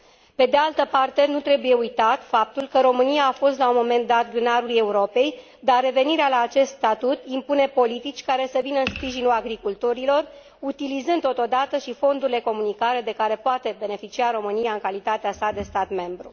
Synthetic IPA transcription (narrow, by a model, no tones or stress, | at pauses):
pe̞d̪e̞alt̪əpart̪e̞nut̪ɾe̞buje̞ujt̪at̪fap̚t̪ulkəɾo̞mɨnijaːfo̞st̪laumo̞me̞nt̪d̪at̪ɡɾɨnaɾuluje̞uɾo̞pe̞j | d̪arre̞ve̞niɾealaːt͡ʃe̞st̪st̪at̪ut̪impune̞po̞lit̪it͡ʃʲkaɾe̞səvinəɨnspɾiʒinulaɡɾikult̪o̞ɾilo̞r | ut̪ilizɨnd̪o̞t̪o̞d̪at̪əʃifo̞nd̪uɾile̞ko̞munikaɾe̞d̪e̞kaɾe̞poat̪e̞be̞ne̞fit͡ʃiaɾo̞mɨnijaɨŋkalit̪at̪easad̪e̞st̪at̪me̞mbɾṵ